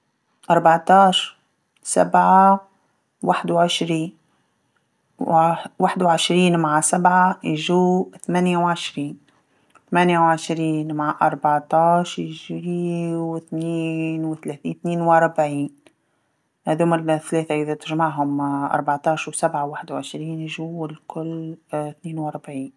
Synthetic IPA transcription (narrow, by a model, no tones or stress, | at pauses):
ʔɑɾˤbɑʕt̪ɑːʃ | sa̰bʕa | waħd̪wʕɪʃɾiːn | waħd̪wʕɪʃɾiːnmaʕsabʕajʒuːθamanjawʕɪʃɾiːn | θamænjawʕɪʃɾiːnmaʕʔɑɾˤbɑʕt̪ɑːʃjʒiwɪθniːnwɪθaleːθḭːnθniːnwɾˤbʕiːn | æðhʊmɪlθæleːθaʔɪðat̪ɪʒmaʕɦʊmaʔɑ̰ɾˤbɑʕt̪ˤɑːʃwsabʕawaːħɪd̪wʕɪʃɾiːnjʒuɪlkʊlːθniːnwɑɾˤbʕiːn